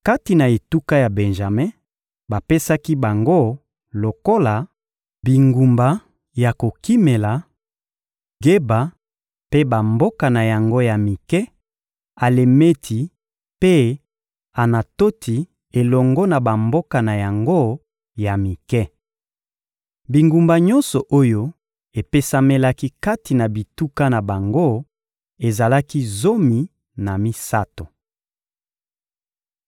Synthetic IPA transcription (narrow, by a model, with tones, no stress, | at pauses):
ka˦ti˨na˨e˨tu˦ka˦ja˨be˨nʒa˨mɛ̃˦ | ba˨pe˦sa˦ki˦ba˨ŋɡo˦˨ | lo˨ko˦la˨ | bi˨ŋɡu˨mba˨ | ja˨ko˨ki˦me˨la˨ | ɡe˦ba˨ | pe˦ba˨mbo˦ka˨na˨ja˨ŋɡo˦ja˨mi˨kɛ˦ | a˨le˨me˦tʰi˨˦ | pe˦ | a˨na˨to˦tʰi˨ | e˨lɔ˨ŋɡɔ˦na˨ba˨mbo˦ka˨na˨ja˨ŋɡo˦ | ja˨mi˨kɛ˦ | bi˨ŋɡu˨mba˨ɲɔ˦nsɔ˨ʔo˦jo˦ | e˨pe˦sa˦me˦la˦ki˦ka˦ti˨na˨bi˨tu˦ka˦na˨ba˨ŋɡo˦ | e˨za˨la˦ki˦zo˦mi˨ | na˨mi˦sa˦to˨